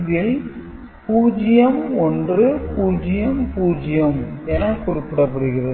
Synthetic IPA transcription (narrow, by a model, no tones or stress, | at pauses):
ðɪl | puːd͡ʒɪjɐmɔndrɯpuːd͡ʒɪjɐmpuːd͡ʒɪjɐmɛnɐkʊrɪpːɪɽɐpːɐɽɯɣɪɾɐ